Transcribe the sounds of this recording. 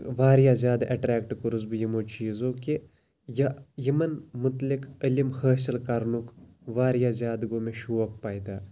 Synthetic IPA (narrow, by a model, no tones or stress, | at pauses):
ʋaːɾjaːzʲjaːd̪aʔɐʈɾɛːk̚ʈkuɾuzbijɐmoːt͡ʃiːzoːke | jɐjɐmɐnmʊt̪likəlimhəːsilkɐɾnuk | ʋaːɾjaːzʲjaːd̪ɡoːmeʃuʋɐk̚paːjid̪aː